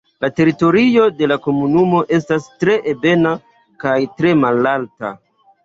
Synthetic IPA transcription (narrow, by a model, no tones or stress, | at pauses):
late̞ɾito̞ɾio̞de̞lako̞munumo̞ʔe̞stastɾe̞ʔebe̞na | kajtɾe̞malalta̰